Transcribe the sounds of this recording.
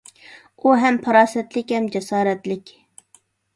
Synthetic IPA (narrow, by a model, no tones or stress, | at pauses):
uɦɛmpʰɑɾɑːsɛt̪lɪkʲhɛmd͡ʒɛsɑːɾɛt̪lɪkʲ